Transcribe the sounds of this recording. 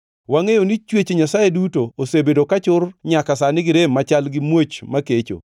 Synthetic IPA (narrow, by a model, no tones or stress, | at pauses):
waŋejonit͡ʃwet͡ʃeɲasajedutoosebedokat͡ʃʊrɲakasanɪɡɪɾemːat͡ʃalɡɪmwot͡ʃmaket͡ʃo̰